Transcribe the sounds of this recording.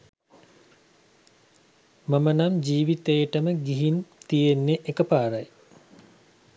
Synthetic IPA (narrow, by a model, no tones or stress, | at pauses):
mamənamd͡ʒiːʋit̪ejəʈəməɡiɦint̪ijenːeʔekəpaːɾaj